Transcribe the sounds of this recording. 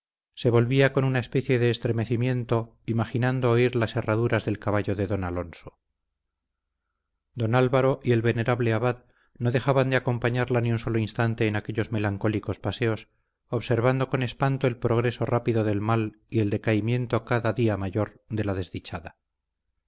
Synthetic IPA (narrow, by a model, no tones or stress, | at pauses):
se̞βo̞lβiako̞nunae̞spe̞θje̞ðe̞ːst̪ɾe̞me̞θimje̞nt̪o̞ | imaχinand̪oːiɾlase̞raðuɾazðe̞lkaβaʝoðe̞ðo̞nalo̞nso̥ | d̪o̞nalβaɾo̞ʔie̞lβe̞ne̞ɾaβle̞aβað | no̞ðe̞xaβand̪eako̞mpaɲaɾlaniunso̞loinst̪ant̪e̞ːnake̞ʎo̞zme̞laŋko̞liko̞spase̞o̞s | oβse̞ɾβand̪o̞ko̞ne̞spant̪o̞e̞lpɾoɣ̞ɾe̞so̞rapiðo̞ðe̞lmal | ie̞ld̪ekaimje̞nt̪o̞kaðaðiamaʝo̞ɾ | ðe̞laðe̞zðit͡ʃaða